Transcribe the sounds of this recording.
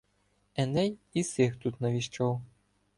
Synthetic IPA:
ɛnɛjisɪxt̪ut̪nɐʋʲiʃt͡ʃɔw

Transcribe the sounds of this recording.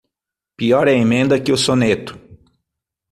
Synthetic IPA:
piɔɾɛẽmẽnd̪ɐkɪʊsonet̪ʊ̥

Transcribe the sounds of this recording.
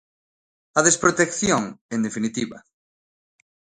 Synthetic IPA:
ɐðespɾot̪ekθjoŋẽnd̪efinit̪iβa̰

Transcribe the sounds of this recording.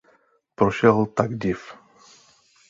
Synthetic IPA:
pɾoʃɛlˠt̪aɡdif

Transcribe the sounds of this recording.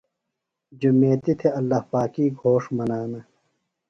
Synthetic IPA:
d͡ʑumeːt̪it̪ʰeɐlːɐhpaːkiːɡʱoːʂmɐnaːnɐ

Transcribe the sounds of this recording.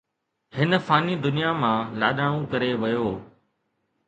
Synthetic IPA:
hɪnə̆faːnid̪ʊnijamãːla̰ːɗaɽ̃õkɐɾeʋɐjoː

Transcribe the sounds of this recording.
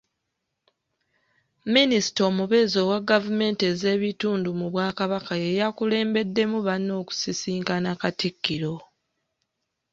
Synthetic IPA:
minisi̥to̞ːmuβe̞ːzo̞waɡːavume̞ːnte̞ze̞ːβituːndumuβwaːkaβakaje̞jakule̞ːmbe̞dːe̞muβanːo̞ːku̥sisiːŋkanakatikːiɾo̞

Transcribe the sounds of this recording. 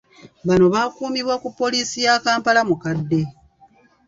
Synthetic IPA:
βano̞βakuːmiβwokupːo̞liːsijakaːmpalamukadːe̞

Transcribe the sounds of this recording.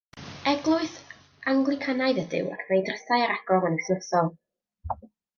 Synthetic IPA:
ɛɡlˠʊɨθ | aŋɡlˠɪkʰanajðədɪ̰wa̰kʰmajdrəsajaɾaɡ̥ɔvənɪθnəsɔlˠ

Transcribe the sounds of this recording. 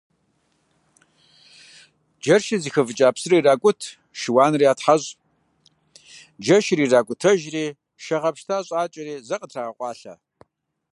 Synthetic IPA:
d͡ʒɐrʃɪziːxɐvɨt͡ʃʼaːpsɨriraːkʷʼʊtʰ | ʃɪwaːnɨriːaːtħaʑʼ | d͡ʒɐʃriːraːkʷʼʊtʰɐʒriː | ʃɐʁɐpʃtʰaːɕʼaːt͡ʃʼɐriːzɐqʼətʰraːʁɐqʷʼɑːɬa̰ː

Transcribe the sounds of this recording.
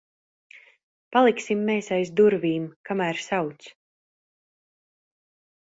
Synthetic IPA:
palˠiksimːeːsajzd̪uɾviːmkamæːɾsawt̪s

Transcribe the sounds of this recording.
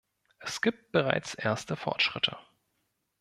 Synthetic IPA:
ʔɛsɡ̥iːp̚t̚b̥əʁa̰ɪt͡sʔeːɐstəfɔ̰ɐtʃʁ̥ɪtʰə̰

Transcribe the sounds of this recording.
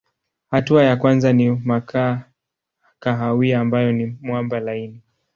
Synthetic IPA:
hatuajakwanzanimakʰa | kaɦawiaːmbajɔnimwambalaini

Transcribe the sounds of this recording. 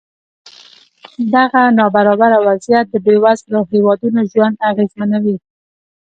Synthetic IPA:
d̪aɣanɑbaɾɑbaɾawazjat̪̚d̪əbewazləhewɑd̪unoʒwand̪aɣezmanawi

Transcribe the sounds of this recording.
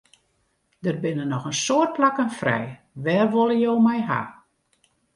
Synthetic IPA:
d̥ərbɪnənɔxənsoərt̚plakənfrɛ̰j | ʋɛːrʋolˠəjoːmɛjɦa̰

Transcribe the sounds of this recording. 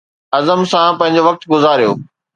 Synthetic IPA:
ɐzəmsãpɐ̃ɦɪ̃ɲ̆d͡ʑoʋɐk̚t̪ɡʊzaːɾijo̰ː

